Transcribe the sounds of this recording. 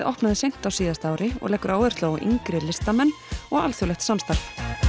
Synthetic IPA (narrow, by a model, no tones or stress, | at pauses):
ðɔhpnaðɪsejm̥t̪awsiːðast̪aːwɾɪɔ̰ɣlɛːkːʏɾaːwvɛɾ̥t̪loːɣʔḭŋkɾɪlɪst̪amɛnː | ɔɣa̰lθʏɾlɛxt̪samst̪aɾ̥f